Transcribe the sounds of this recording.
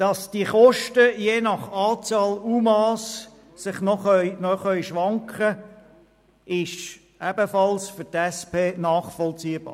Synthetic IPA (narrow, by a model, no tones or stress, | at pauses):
d̥ɑsd̥iəχɔʃtəjeːnɑχɑːt͡sɑːluːmɑːs | sɪχnɔχœʏnɔχœʏjʃʋɑŋkχə | ɪʃ | ɛb̥əfɑlsfʏtɛspʰeːnɑːχfɔlt͡siːəb̥ɑ̰ː